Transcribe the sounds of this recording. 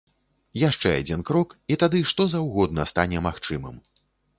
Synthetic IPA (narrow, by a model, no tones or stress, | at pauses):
jaʂt͡ʂɛa̰d͡zʲinkɾɔkit̪ad̪ɨʂt̪ɔzɐwɣɔd̪̚nɐst̪anʲɛmaxt͡ʂɨmɨ̰m